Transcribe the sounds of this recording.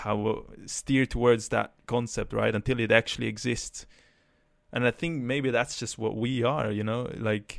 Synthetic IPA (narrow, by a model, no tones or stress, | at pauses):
haʊstɪɹtʰəwɔɹdzðə̰t̚kʰɑ̃nsɛp̚t̚ɹa̰ɪɾə̃ntʰɪlˠɨɾæk̚t͡ʃʉl̩ˠiɨɡzɪsts | ʔə̃naɪθɪ̃ŋk̚meɪbiðætsd̥ʒ̥ʌst̚wʌ̰ʔwiə̰˞jɨnoʊlaɪk